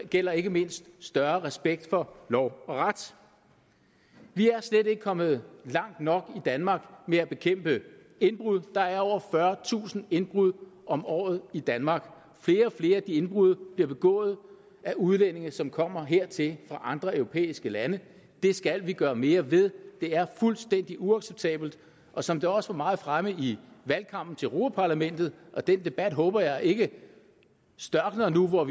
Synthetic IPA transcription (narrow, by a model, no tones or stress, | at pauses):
ɡ̥el̰ɐe̝ɡ̥əme̝n̰sd̥sd̥ɶɐʁɛsb̥eɡ̥̚d̥fɒ̽lɒʊ̰ɒ̽ʁad̥ | ʋiæɐsled̥e̝ɡ̥əkʰɒ̽m̰ð̞̩ˠlɑ̈ŋ̰d̥nɒ̽ɡ̥id̥ænmɑ̈ːɡ̥meæb̥e̝kʰem̰b̥ə | e̝nb̥ʁuð̞̰ˠd̥ɑ̈æɐɒʊ̰ɐfɶɐt͡sʰṵːsn̩e̝nb̥ʁuð̰ˠɒ̽mɒ̰ːð̞̩ˠid̥ænmɑ̈ːɡ̥ | fle̝ːɐɒ̽fle̝ːɐæd̥ie̝nb̥ʁuð̞̰ˠɐb̥liɐb̥e̝ɡ̥ɔ̰̽ːð̞̩ˠ | æʔuð̞ˠlen̰e̝ŋɐsɒ̽mkʰɒ̽m̰ɐɦeɐ̰t͡sʰe̝lfʁɑ̈ʔɑ̈nd̥ʁɐøʊʁo̝pʰḛːisɡ̥əlænə | d̥e̝sɡ̥ælʋiɡ̥ɶːɐme̝ːɐʋeðˠd̥e̝æɐfulsd̥en̰d̥iʔuɑ̈ɡ̥seb̥̚t͡sʰɛ̰ːb̥l̩d̥ | ʔɒ̽sɒ̽md̥eɒ̽səʋɑ̈mɑ̈ːð̩ˠfʁaməiʋælkʰɑ̈m̰b̥̚n̩t͡sʰe̝ʁo̝ːpʰæpʰɑ̈læmen̰d̥ð̞̩ˠʔɒ̽d̥en̰d̥e̝b̥æd̥ɦɔ̽ːb̥ɐjɑ̈ɪʔe̝ɡ̥ə | sd̥ɶɐɡ̥nɐnuʋɒ